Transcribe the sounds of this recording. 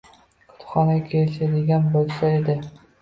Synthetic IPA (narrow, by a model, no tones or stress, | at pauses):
kʰʊ̥t̪χɒnaɡʲakʲʰelɪʃad̪ɪɡʲanbolˠsaed̪ɪ